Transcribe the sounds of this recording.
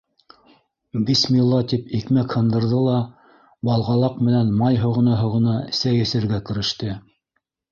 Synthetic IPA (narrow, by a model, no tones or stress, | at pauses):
bismilˠːɑt̪ipikmækhɤ̆nd̪ɤ̆ɾðɤlˠɑ | bɑlˠʁɑlˠɑqmɘ̆nænmɑjɦŏʁɤ̆nɑɦŏʁɤ̆nɑɘ̆sæjɘ̆sɘ̆ɾɡækɘ̆ɾɘ̆ʃt̪ɘ